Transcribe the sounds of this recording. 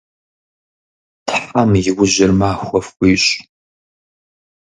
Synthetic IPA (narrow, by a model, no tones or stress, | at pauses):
tʰħamjɪwʊʑɪrmaːxʷɔfkʷiːɕʼ